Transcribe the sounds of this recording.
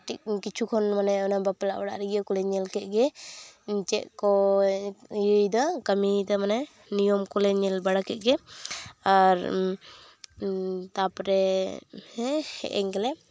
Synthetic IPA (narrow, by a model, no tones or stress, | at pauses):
ʈik̚kit͡ʃʰukʰɔnmanɛɔnabapɛla̰ʔwaɽa̰ʔɾiɡakɔlɛɲɛlkɛt̪̚ˀɡɛɲt͡ʃɛ̰ʔkɔ | jəjd̪ɔkamit̪amanɛ | nijɔmkɔlɛɲɛlbaɽakɛt̪̚ɡɛ | aɾ | t̪apɾɛ | ɛhɛ̰ʔɛ̰ŋɡɛlɛ